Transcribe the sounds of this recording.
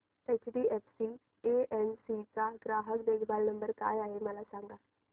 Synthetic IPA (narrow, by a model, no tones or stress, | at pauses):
ʈɛt͡ʃʈiːʔɛpʰsiː | eːʔɛnsiːt͡ʃaːɡɾaːɦəkd̪eːkbaːlnəmbəɾka̰ːjaːemɛlasaːŋɡaː